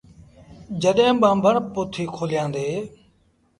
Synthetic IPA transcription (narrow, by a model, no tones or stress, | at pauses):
d͡ʒəɗẽːɓãːmbʱəɳpʊt̪ʰiːkʰoːlɪjãːnd̪eː